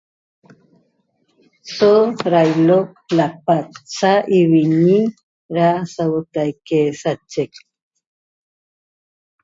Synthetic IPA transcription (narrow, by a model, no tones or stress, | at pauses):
soɾajloplapatsaʔiβiɲi | ɾasawot̪ajkesat͡ʃek